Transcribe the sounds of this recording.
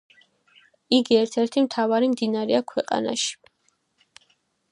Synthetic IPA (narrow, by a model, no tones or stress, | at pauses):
iɡiɛɾt̪ʰɛɾt̪ʰimt̪ʰavaɾimd̪inaɾɛakʰwɛqʼa̰na̰ʃi̥